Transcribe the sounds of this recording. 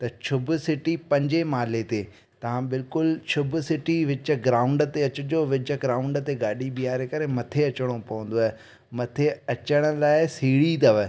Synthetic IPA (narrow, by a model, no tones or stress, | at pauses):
t̪ɐt͡ɕʰʊbʊsɪʈipɐ̃ɲd͡ʑemaːlet̪eː | t̪ɐʋ̤ãbɪlkʊlt͡ɕʰʊbʊsɪʈiʋɪt͡ɕə̆ɡɾaːʊ̃ɳɖt̪eɐt͡ɕʊd͡ʑoːʋɪt͡ɕə̆ɡɾaːʊ̃ɳɖt̪eɡaːɗibiaːɾekɐɾemɐt̪ʰeɐt͡ɕəɽ̃opɐʋə̃nd̪oaːɦe | mɐt̪ʰeɐt͡ɕəɽ̃ə̆laːɪsiːɽid̪ɐʋə